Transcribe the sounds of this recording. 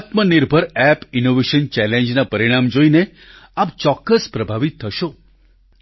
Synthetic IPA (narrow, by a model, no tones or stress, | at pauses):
at̪məniɾbʱəɾɛpinoʋeʃənt͡ʃɛlẽɲd͡ʒnapəɾiɽ̃amd͡ʒoine | ap̚t͡ʃɔkːəspɾəbʱaʋit̪ʰːəʃo